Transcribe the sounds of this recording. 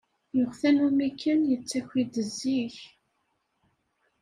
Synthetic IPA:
jʊʁθænumikʰːənjət͡sːæçʷid̪əzːiç

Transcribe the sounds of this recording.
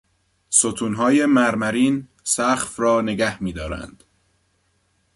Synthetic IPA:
sot̪ʰuːnɦɒːje̞mæɾmæɾiːn | sæxfrɒːneɡæhmiːd̪ɒːɾæ̰nd̪̥

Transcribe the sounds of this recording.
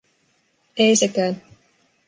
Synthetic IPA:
ejsekæːn

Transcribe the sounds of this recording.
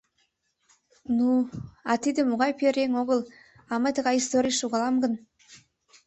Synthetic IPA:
nuɑt̪id̪ɘ̆muɣɑjpeɾeŋoɣə̆lˠ | ɑmət̪ə̆ɣɑjist̪oɾʲijʃuɣɑlˠɑmɡə̆n

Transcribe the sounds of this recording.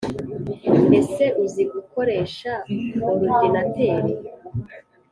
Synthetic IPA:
e̞se̞ʔuziɡuko̞ɾe̞ːʃaoɾuɟenateːɾe

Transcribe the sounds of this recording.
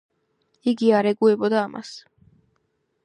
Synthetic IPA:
iɡiɑɾeɡujbod̪ɑmʔɑ̰s

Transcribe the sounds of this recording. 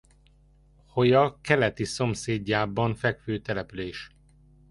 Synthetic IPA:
ho̞jɒkɛlɛt̪iso̞mseːɟːaːbɒɱfɛkføːt̪ɛlɛpyleːʃ

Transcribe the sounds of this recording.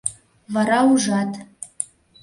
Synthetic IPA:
βɑɾɑuʒɑt̪

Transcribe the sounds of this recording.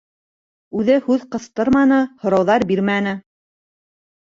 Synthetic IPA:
ʉðɘhʉðqɤ̆θt̪ɤɾmɑnɤhŏɾɑwðɑɾbiɾmænɘ

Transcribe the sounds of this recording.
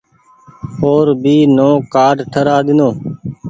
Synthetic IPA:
oːɾbiːnõːkaːɖʈʰəɾaːɗ̪ɪnõː

